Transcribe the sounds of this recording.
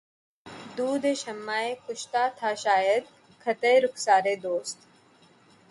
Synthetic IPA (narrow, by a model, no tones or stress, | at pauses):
d̪uːd̪ʱeʃɐmːaːekʊʃt̪at̪ʰaʃaːjəd̪̚ | kʰɐt̪ejɾʊksaːɾed̪oːst̪